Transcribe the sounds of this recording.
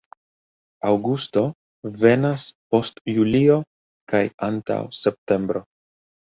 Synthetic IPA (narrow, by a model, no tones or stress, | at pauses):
awɡusto̞ | ve̞naspo̞stjulio̞ | kajanta̰wse̞p̚te̞mbɾo̞